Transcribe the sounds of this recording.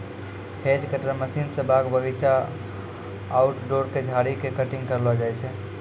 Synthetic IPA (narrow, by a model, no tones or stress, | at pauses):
kʰed͡ʒkəʈəɾməsinsəbaɡbəɡit͡ʃa | uʈɖoɾked͡ʒʱaɽikekəʈiŋɡkəɾlɔd͡ʒajt͡ʃʰɛ